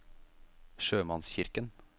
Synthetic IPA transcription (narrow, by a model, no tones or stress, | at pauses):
ʃøːmɑnsçɪɾkən